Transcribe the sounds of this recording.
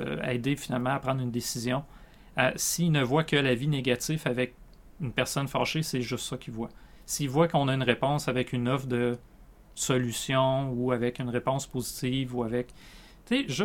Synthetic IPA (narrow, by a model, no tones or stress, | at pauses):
ɛ̰ːd̪efinalmɑ̃apʁɑ̃d̪ʁynd̪esizjɔ̃ | a̰siːnəvwakəlavineɡʲat̪ifavɛk̚ | ynpɛʁsɔnfɑ̰ːʃesɛʒʏst̪sʌkʲʰivwa | siːvwakɔ̃naynʁepɔ̃savɛkynɔfd̪ə | sɔlysjɔ̃uavɛkynʁepɔ̃spozit̪iːvuavɛk | t̪seʒ